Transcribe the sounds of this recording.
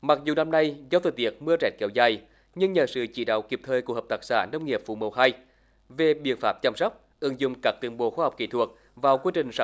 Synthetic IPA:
ma˨˩k̚zu˨˩na˧mna˧jzaː˧wt̪ʰəː˨˩t̪i˦˥ək̚mɨ˧ət͡ɕɛ˨˦˥t̚kɛ˧˦wzaː˨˩j | ɲɨ˧ŋɲə̰˧˨˩sɨ̰˧˨t͡ɕḭ˧˩˦ɗa̰ː˧˨wki˨˩əp̚t̪ʰəː˨˩jku˧˩hə˨˩p̚t̪aː˧˥k̚sa̰ː˧˩˦nə˧wŋ͡mŋi˨˩əp̚fṵ˧˨˩mə˨˩wɦa˧j | ve˨˩ɓḭ˧˥ənfaː˦˥p̚t͡ɕa˧msɔ˦˥wk͡p̚ | ʔɨ˧˩əŋzʊ̰˧˨ŋ͡mkaː˦˥k̚t̪wi˧ənɓo̰˧˦xwaː˧hɔ˨˩wk͡p̚kḭ˧˩t̪ʰu˨˩ək̚ | vaː˨˩wkwi˧t͡ɕï˨˩ŋ̟sa˧

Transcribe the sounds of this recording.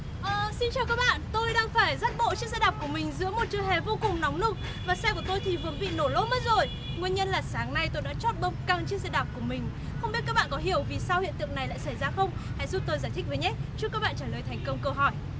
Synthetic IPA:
ʔəː˨˩si˧nt͡ɕaː˨˩wkaː˦˥k̚ɓa̰ː˧˨nt̪o˧jɗaː˧ŋfaː˧˩jzaː˦˥t̚ɓo̰˧˨t͡ɕɨ˦˥ksɛ˧˥ɗaː˨˩p̚ku˧˩əmï˨˩ŋ̟zɨ̰˧˥əmo˨˩t̚t͡ɕɨ˧˩jɦe˨˩vo˧kʊ˨˩ŋ͡mnɔ˨˦wŋ͡mnɨ˦˥ək̚ | vaː˨˩sɛ˧ku˧˩ət̪o˧jt̪ʰi˨˩vɨ˨ənvḭ˧˨no˧˩lo˨˦˥mə˦˥t̚zo˨˩j | ŋwi˧ənɲə˧nlaː˨˩saː˨˦ŋna˧jt̪o˧jɗa̰˧˥t͡ɕɔ˦˥t̚ɓə˧wŋ͡mka˧ŋt͡ɕɨ˧˦˥k̚sɛ̰˧˥ɗa˨˩p̚ku˧˩əmï˨˩ŋ̟ | xə˧wŋ͡mɓi˦˥t̚kaː˦˥k̚ɓ̰ːkɔ˨˦ɦi˧˩əwvi˨˩sa˧whḭ˧˨ənt̪ɨ̰˧˨əŋna˨˩jla̰˧˨jsa˧˩jzaː˧xə˧wŋ͡mha̰˧˥jzu˦˥t̪o˧jzaː˧˩jt̪ʰï˦˥k̚əː˨˦ɲɛ˨˦t͡ɕu˦˥kaː˦˥k̚ɓ̰aː˧˨t͡ɕaː˧˩ləː˨˩jt̪ʰɛ˨˩ŋ̟kə˧wŋ͡mkə˧wɦɔ˧˩j

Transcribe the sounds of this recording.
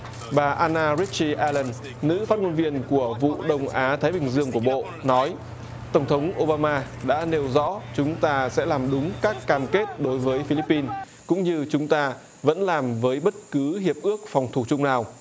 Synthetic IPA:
ɓaː˨˩ʔaː˧naː˧zi˦˥t̚t͡ɕi˧ʔɛ˧lə˧˩nː | ɨ̰˧˥faː˦˥t̚ŋo˧nvi˧ənku˧˩əvṵ˧˨ɗə˧wŋ͡mʔaː˨˦t̪ʰaː˨˦jɓï˨˩ŋ̟zɨ˧əŋku˧˩əɓo̰˧˨ | nɔ˨˦j | t̪ə˧˩wŋ͡mt̪ʰə˨˦wŋ͡mʔo˧ɓaː˧maː˧ | ɗa̰ː˧˥ne˧wzɔ̰˧˥t͡ɕʊ˨˦ŋ͡mt̪aː˧sɛ̰˧˥laː˨˩mɗʊ˨˦ŋ͡mkaː˦˥kːaː˨˩mke˦˥t̚ɗo˨˦jvəː˨˦jfi˧li˦˥pːi˧n | kʊ̰˧˥ŋ͡mɲɨ˧t͡ɕʊ˨˦ŋ͡mt̪aː˧ | və̰˧˥nlaː˨˩mvəː˨˦jɓə˦˥t̚kɨ˨˦ɦi˨˩əp̚ʔɨ˦˥ək̚fɔ˨˩wŋ͡mt̪ʰu˨˩t͡ɕʊ˧ŋ͡mnaː˨˩w

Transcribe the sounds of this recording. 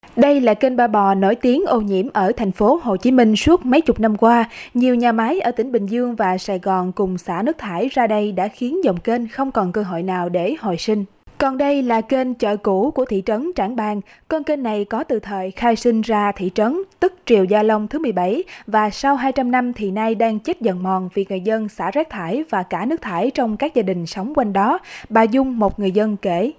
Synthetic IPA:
ɗə˧jlaː˨˩ke˧nɓaː˧ɓɔ˨˩no˧˥˦jt̪i˨˦ənʔo˧ɲḭ˧˥əmʔəː˧˩t̪ʰɛ˨˩jŋ̟fo˨˦ho˨˩t͡ɕi˨˦mï˧ŋ̟su˦˥ət̚mə˨˦jt͡ɕʊ˨˩k͡p̚na˧mkwaː˧ɲi˨˩əwɲaː˨˩ma˨˦jʔəː˧˩t̪ï˧˩˦ŋ̟ɓï˨˩ŋ̟zɨ˧əŋvaː˨˩saː˧˩jɣɔ˨˩nkʊ˨˩ŋ͡msa̰ː˧˥nɨ˦˥k̚t̪ʰaː˧˩jzaː˧ɗə˧jɗa̰ː˧˥xi˨˦ənzə˨˩wŋ͡mke˧nxə˧wŋ͡mkɔ˨˩nkəː˧ɦo̰˧˨jnaː˨˩wɗe˧˩ho̰˧˨jsï˧ŋ̟ | kɔ˨˩nɗə˧jlaː˨˩ke˧nt͡ɕə̰ː˧˨ku˧˩ku˧˩ət̪ʰḭ˧˨t͡ɕə˨˦nt͡ɕaː˧˩nɓaː˧ŋ | kɔ˧nke˧nːa˨˩jkɔ˨˦t̪ɨ̰˧˨t̪ʰəː˨˩jxaː˧jsi˧ŋ̟zaː˧t̪ʰḭ˧˨t͡ɕə˨˦nt̪ɨ˦˥k̚t͡ɕi˨˩əwzaː˧lə˧wŋ͡mt̪ʰɨ˨˦mɨ˨˩əjɓa˧˩jvaː˨˩sa˧wɦaː˧jt͡ɕa˧mna˧mt̪ʰi˨˩naː˧jɗaː˧ŋt͡ɕe˦˥t̚zə˨˩nmɔ˨˩nvi˨˩k̚ŋɨ˨˩əjzə˧nsaː˧˩zɛː˦˥k̚t̪ʰaː˧˩jvaː˨˩kaː˧˩nɨ˦˥ək̚t̪ʰaː˧˩jt͡ɕɔ˧wŋ͡mkaː˦˥k̚zaː˧ɗï˨˩ŋ̟sə˨˦wŋ͡mkwa˧jŋ̟ɗɔ˨˦ɓaː˨˩zʊ˧ŋ͡mmo˨˩t̚ŋɨ˨˩əjzə˧nke˧˩

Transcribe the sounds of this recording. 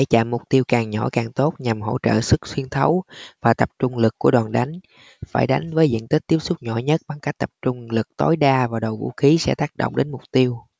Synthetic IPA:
ɗe˧˩˦t͡ɕa̰ː˧˨˩mːʊ˨˩k͡p̚t̪i˧əwkaː˨˩ŋɲɔ˧˩kaː˨˩ŋt̪o˦˥t̚ɲa˨˩mɦo̰˧˥t͡ɕə̰ː˧˨sɨ˦˥k̚swi˧ənt̪ʰə˨˦wvaː˨˩t̪ə˨˩p̚t͡ɕʊ˧ŋ͡mlɨ˨˩kːu˧˩əɗwaː˨˩nɗa˨˦jŋ̟ | faː˧˩jɗa˨˦jŋ̟vəː˨˦jzḭ˧˨ənt̪ï˦˥k̟̚t̪i˦əp̚sʊ˦˥k͡p̚ɲɔ̰˧˩ɲə˦˥t̚ɓa˧ŋka˦˥k̚t̪ə˨˩p̚t͡ɕʊ˧ŋ͡mlɨ˨˩k̚t̪o˨˦jɗaː˧vaː˨˩ɗə˨˩wvṵ˧˥xi˨˦sɛ̰˧˥t̪aː˦˥k̚ɗo̰˧˨wŋ͡mɗe˨˦nmʊ˨˩k͡p̚t̪i˧əw

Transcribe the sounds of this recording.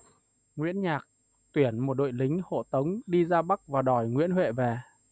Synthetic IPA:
ŋwḭ˧˥ənɲaː˨˩k̚ | t̪wi˧˩ənmo˨˩t̚ɗo̰˧˨jlï˨˦ŋ̟ho̰˧˨t̪ə˨˦wŋ͡mɗi˧zaː˧ɓa˦˥k̚vaː˨˩ɗɔ˧˩jŋwḭ˧˥ənɦwḛ˧˨vɛ˨˩

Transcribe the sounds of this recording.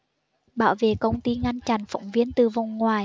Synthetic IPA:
ɓa̰ː˧˩wvḛ˧˨kə˧wŋ͡mt̪i˧ŋa˧nt͡ɕa˧˩nfa̰˧˨wŋ͡mvi˧ənt̪ɨ˨˩va˨˩ŋ͡mŋwaː˨˩j

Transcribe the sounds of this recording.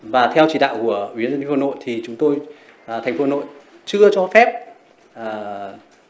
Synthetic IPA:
vaː˨˩t̪ʰɛ˧wt͡ɕi˧˩ɗa̰ː˧˨wku˧˩əwi˨˦ənə˧˩fno̰˧˨jt̪ʰi˨˩t͡ɕʊ˨˦ŋ͡mt̪o˧j | t̪ʰa˨˩ŋ̟fo˧˩no̰˧˨j | t͡ɕɨ˧ət͡ɕɔ˧fɛ˦˥p̚ | əː˨˩

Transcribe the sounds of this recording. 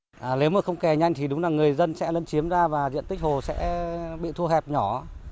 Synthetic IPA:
ʔːle˨˦wməː˨˩xə˧wŋ͡mkɛ˨˩ɲa˧jŋ̟t̪ʰi˨˩ɗʊ˨˦ŋ͡mlaː˨˩ŋɨ˨˩əjzə˧nsɛ̰˧˥lə˨˧˦nt͡ɕi˨˦əmzaː˧vaː˨˩zḭ˧˨ənt̪ï˦˥k̚ho˨˩sɛ̰˧˥ɓḭ˧˨t̪ʰu˧əhɛ˨˩p̚ɲɔ˧˩

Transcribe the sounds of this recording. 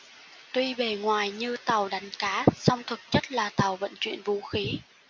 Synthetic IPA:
t̪wi˧ɓe˨˩ŋwaː˨˩jɲɨ˧t̪a˨˩wɗa˨˦jŋ̟kaː˨˦sɔ˧wŋ͡mt̪ʰə˨˩k̚t͡ɕə˦˥t̚laː˨˩t̪a˨˩wvə̰˧˨nt͡ɕwḭ˧˨ənvu˨˦xi˨˦

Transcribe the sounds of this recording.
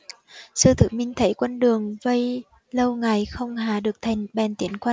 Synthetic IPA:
sɨ˧t̪ʰɨ̰˧˩mï˧ŋ̟t̪ʰə˨˦jkwə˧nɗɨ˨˩əŋvə˧j | lə˧wŋa˨˩jxə˧wŋ͡mɦaː˧˩ɗɨ˨˩ək̚t̪ʰa˨˩jŋ̟ɓɛ˨˩nt̪i˨˦ənkwə˧n

